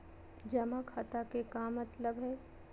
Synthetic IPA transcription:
d͡ʒɐmãkʰaːt̪akekamɐt̪ləbɦɛː

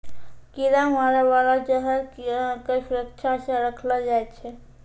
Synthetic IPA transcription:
kiɾãɦaɾebalat͡ʃəɦəɾkesuɾəkt͡ʃʰasə̃ɾəkʰləd͡ʒajt̪t͡ʃʰɛ

